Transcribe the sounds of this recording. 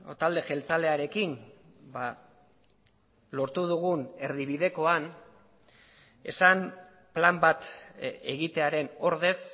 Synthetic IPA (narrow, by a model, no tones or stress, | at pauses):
ot̪ald̪e̞ʝe̞lt͡sale̞aɾe̞kin | ba | lo̞ɾt̪uð̞uɣ̞une̞ɾðiβ̞iðe̞ko̞an | e̞̰sam | plambat̪e̞ɣit̪e̞aɾe̞no̞ɾðe̞s